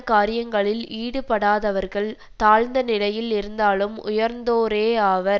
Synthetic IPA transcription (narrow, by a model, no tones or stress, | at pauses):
kaːɾɪjɐŋɡɐɭɪliːɽɯpːɐɽaːðɐʋɐɾɣɐɭ | t̪aːɻnd̪ɐnɪlɐjɪlɪɾɯnd̪aːlɯmʊ̰jɐɾnd̪oːɾeːaːʋɐɾ